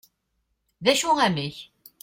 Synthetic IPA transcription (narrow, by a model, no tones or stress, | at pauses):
ðæʃuæməç